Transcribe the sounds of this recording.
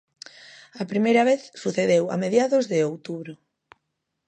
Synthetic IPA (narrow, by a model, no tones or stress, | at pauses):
ɐpɾimejɾɐβ̞eθsuθeðewɐ̰meðjaðozðɪowt̪uβɾʊ